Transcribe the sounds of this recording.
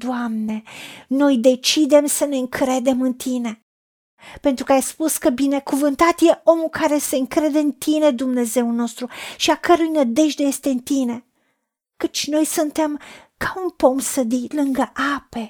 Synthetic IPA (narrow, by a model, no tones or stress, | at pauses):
d̪̥oamne̞no̞jd̪e̞t͡ʃid̪e̞msəne̞ɨŋkɾe̞d̪e̞mɨnt̪ʰine̞ | pe̞nt̪ɾukəajspuskəbine̞kuvɨnt̪at̪je̞ʔo̞mulkaɾe̞se̞ɨŋkɾe̞d̪e̞ɨnt̪ine̞d̪umne̞ze̞uno̞st̪ɾuʃiakəɾujnəd̪e̞ʒd̪eje̞st̪e̞ɨnt̪ine̞ | kət͡ʃʲno̞jsunt̪e̞m | kaunpo̞msəd̪ilɨŋɡəʔape̞